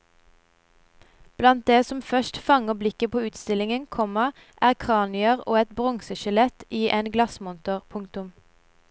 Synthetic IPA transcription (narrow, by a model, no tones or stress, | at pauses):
b̥lɑnt̪̚d̪eːsɔmfœʃtfɑŋəblɪkəpoːʉːt̪st̪ɪlɪŋənkʰɔməʁ | ʔæːʁkʰʁɑːnɪəʁo̰ːɛt̪bʁɔŋsəʃʉlɛt̪iːʔeːnɡlɑsmɔnt̪ʊʁpʰʊŋkt̪ʊm